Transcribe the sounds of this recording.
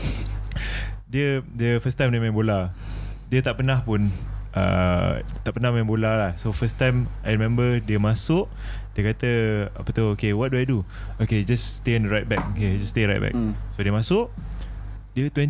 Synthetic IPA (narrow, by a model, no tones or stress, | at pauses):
diədiəfəstãjmdiəmɛ̃mboladiət̪aʔpənahpunʔə̰t̪aʔpənahmãmbolalahsofəst̪ãjmajɾimɛ̃mbədiəmãsʊʔ | diəkat̪əa̰pət̪ookewɔt̚duajdu | oked͡ʒasːt̪ẽnɹajt̚bɛk̚oked͡ʒasteɹajt̚bɛ̰k̚sodiəmãsʊʔ | diət̪wɛ̃n